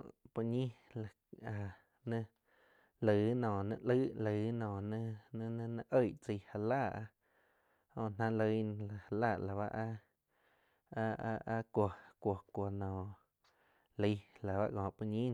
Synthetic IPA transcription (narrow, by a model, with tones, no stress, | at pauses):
pu˧ɲĩ˦la˨ | a˨ | nə̃˧ | lə˨nɔ̃ː˨nə̰̃˧lə˦lə˨˦nɔ̃ː˨nə̃˧nə̃˧nə̃˧nə̃˧˦ʔə˦˧˨ʔt͡sə˧˨ha˧laː˦˨ʔa˧ | hõ˧ʔn̥ã˦lə˧˦ñ˧la˨ha˧˨laː˦˨la˨βa˦ʔa˦˧ | ʔa˦kʷo˨kʷo˨kʷo˧nɔ̃ː˨ | lə˧˦la˨βa˦ʔkɔ̃˨pu˧ɲĩ˦˧